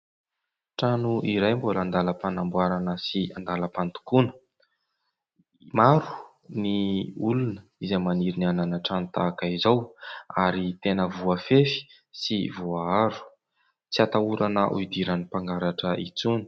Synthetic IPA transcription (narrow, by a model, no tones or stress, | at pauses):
ʈ͡ʂanuʔiɾajmboland̪aləpanambuaɾanəsiand̪aləpant̪u̥kunə̥ | maɾu̥ | niulunəizajmaniɾiniananaʈ͡ʂanut̪akaizawaɾit̪enəvuafefi̥ | sivuaaɾu̥ | t͡siat̪auɾanəʔṵid̪iɾanipaŋɡaɾaʈ͡ʂəit͡suni̥